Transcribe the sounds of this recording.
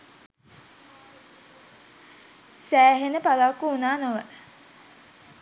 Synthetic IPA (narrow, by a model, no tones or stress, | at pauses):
sæːɦenəpalakːuunaːnoʋə